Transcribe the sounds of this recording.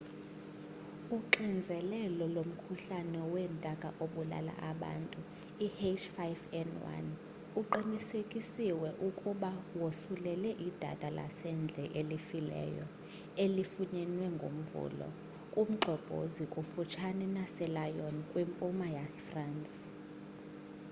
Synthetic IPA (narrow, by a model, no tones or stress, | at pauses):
uǃind͡zʱɛlɛlɔlom̩kʰuɬanɛwɛntʼakʼaʔoɓula̰la̰ʔaɓa̰ːntʼu | ihet͡ʃʰʼfajfɛnwa̰n | uǃinisekʼisiwɛʔukʼuɓawosulɛlɛʔid̥ʱa̰tʼala̰sɛnd͡ɮʱɛʔelifilɛ̰jɔ̰ | elifuɲɛnwɛŋɡʱo̰m̩vṵlɔ̰ | kʼum̩ɡ͡ǃʱɔb̥ʱo̰zikʼufut͡ʃʰanɛnasɛlajonikʼwimpʼumajafransʼ